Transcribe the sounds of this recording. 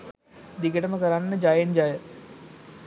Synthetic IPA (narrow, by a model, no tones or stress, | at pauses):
d̪iɡəʈəməkəɾanːəd͡ʒajend͡ʒajə